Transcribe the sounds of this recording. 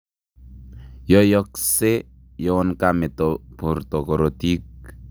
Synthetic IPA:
jɔ˦jɔ˦kse˦ | jɔ˦ɔ˦nka˨me˨tɔpu˨ɾt̪ɔ˨kɔ˨ɾo˨ti˦k̚

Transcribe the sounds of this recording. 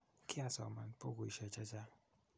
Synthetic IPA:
kʰi˦a˨sɔ̰˨ma˨npo˦ko˨i˨ʃɛ˨t͡ʃa˦t͡ʃa˦

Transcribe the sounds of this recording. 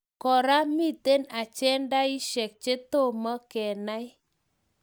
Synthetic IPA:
kɔ˨ɾa˦mi˦˨te˦na˨t͡ʃɛ˦nda˦i˦ʃɛ˨k̚t͡ʃe˦to˦˨mə˦kɛ˨na˦j

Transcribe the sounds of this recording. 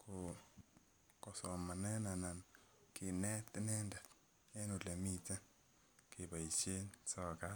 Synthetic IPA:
kʰo˨ | kɔ˨sɔ˨ma˨nɛ˦na˨na˨n | kɪ˨nɛ˦tnɛ˦nda˨t | e˦no˨le˨mi˦ta˦ | ke˨ba˨i˨t͡ʃe˦nsɔ˦ka˦

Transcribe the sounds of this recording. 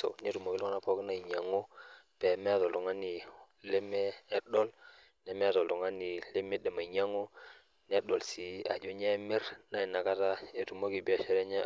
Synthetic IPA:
o̰˨ne˦tu˨mo˨ki˦lo˦ŋ˦na˨po˦kna˦i˨ɲa˨ŋo˦ | pe˨me˦a˨to˨lo˨ŋa˦ni˨ | le˦meː˦ɗo˦l | ne˦me˦a˨to˨ldo˨ŋa˦ni˨le˦me˦de˨ma˨ɲa˦ŋo˦ | n˦e˦ɗdo˨lsi˨a̰˨d͡ʒo˦ɲe˦mi˦ɾna˦i˨na˨ka˦ta˦e˨tu˨mo˦ki˨bi˦a˨ʃe˦ɾe˦ɲa˦

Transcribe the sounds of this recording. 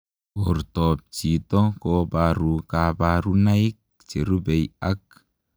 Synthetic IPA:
ɔ˨ɾtɔ˨p̚t͡ʃi˨tɔ˦kɔbaɾu˨ka˨baɾu˦na˦i˦k̚ | t͡ʃe˨ɾu˦bɛ˨ja˦k̚

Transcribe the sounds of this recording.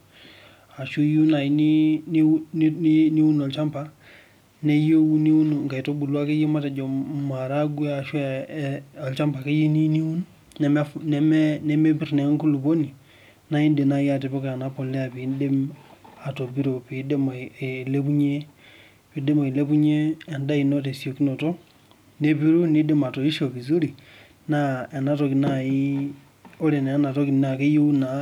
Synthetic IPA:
a˨ʃu˦ju˦na˨ji˨ni˦n˦ni˦ni˦wu˦no˨lt͡ʃa˦mpa˦ | ne˦jo˦wu˦ni˦wu˦n˨ŋka˨to˦bu˨lu˦a˦ke˦je˦ma˦ta˨d͡ʒo˨ma˨ɾa˦ɡu˦a˨ʃu˦˨ɔ˨lt͡ʃa˦mpa˨ke˦ji˦ni˦ni˦wu˦n | nɛ˨m˦nɛ˦m˦nɛ˦me˦bi˦ɾne˨˦ŋ˦ku˦lu˨bo˦ni˨ | na˦i˦nde˨na˦ja˦˨t̬e˨po˦ka˨na˦po˨le˦a˨pi˨˦nde˦ma˨to˨bi˦ɾo˨pi˨˦de˦m˨le˦pu˦ɲe˦ | pi˨de˦mo˨i˨le˦pu˦ɲe˦a˨nda˦i˨no˦te˨sjo˨ki˦no˨to˦ | ne˦pi˦ɾu˦ni˦de˦ma˨to˨i˦ʃo˨βi˨zu˦ɾi˨ | na˦e˨na˦tɔ˨ki˨na˦˨i˦ | o˦le˨ne˨a˦na˨tɔ˦ki˨na˨ke˦ju˦na˨

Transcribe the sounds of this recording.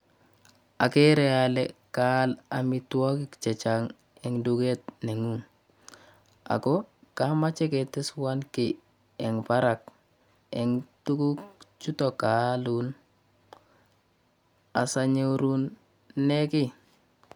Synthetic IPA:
a˨ke˦ɾɛ˨a˨lɛka˦la˨mi˨twɔ˦ki˦kt͡ʃɛ˨t͡ʃaŋ | ɛ˨ŋdu˦ke˦t̚ne˨ŋuŋ | a̰˨ko˦ka˦ma˦t͡ʃɛ˦ke˨tɪ˦swa˦nki˨ | ɛ˨ŋpa˦ɾa˨k̚ | ɛ˨ŋtu˦ku˦kt͡ʃu˦tɔ˨ka˨lun | a̰˨sa˨ɲe˦ɾu˦nː | e˦ki˦

